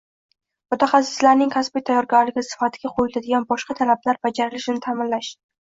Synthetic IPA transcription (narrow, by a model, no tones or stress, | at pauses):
mʊt̪ʰaχasɪ̥slaɾnɪŋkʲʰasbijt̪ʰajːɒɾɡʲaɾlɪɡʲɪsɪ̥fat̪ʰɪɡʲaqʰojɪlad̪ɪɡʲanbɒʃqɑt̪ʰalablaɾbad͡ʒaɾɪlɪʃɪnɪt̪ʰamɪnlaʃɪ